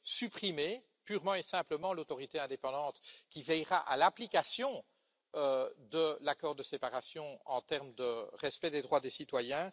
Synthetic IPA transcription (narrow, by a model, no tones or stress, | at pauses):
sypχime | pyʁmɑ̃esɛ̃pləmɑ̃lot̪ɔʁit̪eɛ̃d̪epɑ̃d̪ɑ̃t̪kʲivɛjʁaʔa̰laplikasjɔ̃ | ød̪əlakɔʁd̪əsepaʁasjɔ̃ɑ̰̃t̪ɛʁmd̪əʁɛspɛd̪ed̪ʁwad̪esit̪wajɛ̃